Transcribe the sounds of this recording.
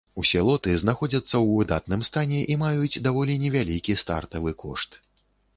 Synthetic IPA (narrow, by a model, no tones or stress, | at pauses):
usʲɛlˠɔt̪ɨznaxɔd͡zʲɐt̪sːɐwvɨd̪at̪nɨmst̪anʲɛʔimajut͡sʲd̪avɔlʲinʲɛvʲalʲikʲist̪a̰rt̪ɐvɨkʰɔ̰ʂt̪